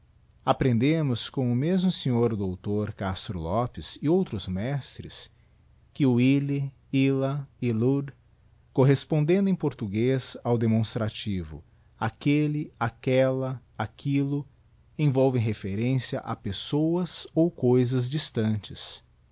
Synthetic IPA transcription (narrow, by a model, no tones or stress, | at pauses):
apɾẽnd̪ẽmʊskõw̃ʊmezmʊsẽɲoɾd̪owt̪oɾkast̪ɾʊlɔpɪzɪowt̪ɾʊzmɛst̪ɾɪ̰s | kɪʊilɪ | ilɐɪluɾ | koɦespõnd̪ẽnd̪ʊẽj̃poɾt̪uɡezawd̪emõst̪ɾat͡ʃivʊ̰ | akelɪakɛlɐ | akʰilʊ | ẽj̃vɔwvẽj̃ɦefeɾẽsiɐʔa̰pesowɐzowkojzɐzd͡ʒist̪ɐ̃t͡ʃɪs